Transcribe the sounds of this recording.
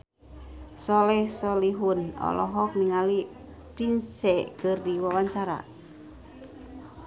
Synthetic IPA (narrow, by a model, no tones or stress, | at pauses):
sɔlɛhsɔliɦunɔ̰lɔɦɔk̚miŋali | pɾinsɛkɨrdiwawaɲt͡ʃaɾa̰